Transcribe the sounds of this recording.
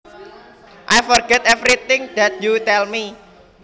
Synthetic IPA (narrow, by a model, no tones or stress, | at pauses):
ʔajfɔrɡɛt̪ɛvɾit̪ɪ̃ŋd̪̥ɛt̪̚jut̪ɛlmi